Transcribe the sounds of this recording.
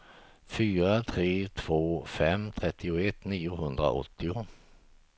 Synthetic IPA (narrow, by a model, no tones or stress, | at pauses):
fyːɾat̪ʰɾeːt̪ʰv̥oːfɛmːt̪ʰɾɛt̪ːɪʊɛt̪ːniːʊɦɵnd̪ɾa̰ʔɔ̰t̪ːɪʊ